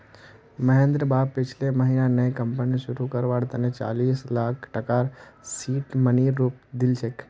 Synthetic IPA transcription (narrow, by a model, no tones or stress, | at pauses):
mɐɦẽnd̪ɾəbaːb̚pɪt͡ʃʰleməɦiːnanəjkəmpniʃʊɾukəɾʋaːɽt̪ɐnẽt͡ʃa̰ːliːslaːkʰʈəkaːɾsiːʈməniːɾːuːp̚d̪ɪlt͡ʃʰek